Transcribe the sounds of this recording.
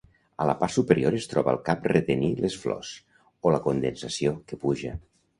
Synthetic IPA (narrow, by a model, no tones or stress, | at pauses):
ələpaɾsupəɾioɾest̪ɾɔβə̰lˠkap̚ret̪enilesflɔ̰s | oləkond̪ensəsiokəpuʒə